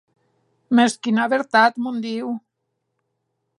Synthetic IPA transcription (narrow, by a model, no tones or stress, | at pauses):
meskinaβeɾt̪at̪mõnd̪iw